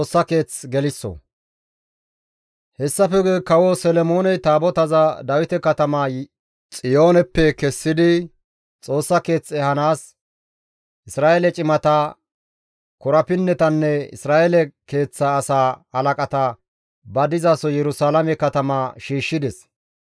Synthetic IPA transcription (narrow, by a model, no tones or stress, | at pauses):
oːsːɐke̞ːt͡sɡɛlɪsːɔ̰ | hɛsːɐfɛɡkɐwosɛlɛmo̞ːnɛt̪aːbɔt̪ɐzɐd̪ɐwɪt̪ɛkɐt̪ɐmaː | t͡sʼɪjo̞ːnɛpːɛkɛsːɪd̪ɪ | t͡sʼo̞ːsːɐke̞ːt͡sːɛhɐnaːs | ʔɪsɾaːʔelɛt͡ʃʼɪmɐt̪a | kɔɾɐpɪnːɛt̪ɐnːɛɪ̰sɾaːʔelɛke̞ːt͡sːaːsaːɐlɐkʼɐt̪ɐ | bɐd̪ɪzaːsɔjɛɾʊsaːlɐmɛkɐt̪ɐmaːʃiːʃːɪd̪ɛs